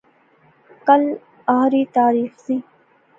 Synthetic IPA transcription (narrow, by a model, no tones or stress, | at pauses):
kɐl | aːɾiːt̪aːɾiːxziː